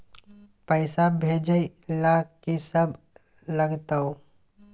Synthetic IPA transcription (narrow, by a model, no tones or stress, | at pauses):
pəɪsabʱeːd͡ʒəilaːkkisəbʱ | ləɡt̪ao